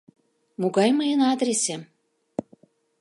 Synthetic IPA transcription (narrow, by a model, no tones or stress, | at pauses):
muɣɑjməjənɑd̪ɾʲese